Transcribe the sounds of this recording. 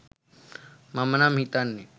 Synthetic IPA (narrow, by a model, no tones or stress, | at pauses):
mamənam̤it̪anːe